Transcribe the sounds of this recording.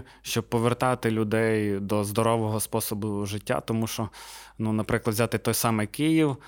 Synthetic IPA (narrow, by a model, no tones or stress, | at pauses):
ʃt͡ʃɔb̚pɔʋert̪ɑt̪ɪlʲʊd̪ɛjd̪ɔzd̪ɔɾɔʋɔɦɔspɔsɔbʊʒɪtʲːa̰t̪ɔmuʃt͡ʃɔnunɐpɾɪklˠɐd̪ʋzʲat̪ɪt̪ɔjsɑmɛjkijiw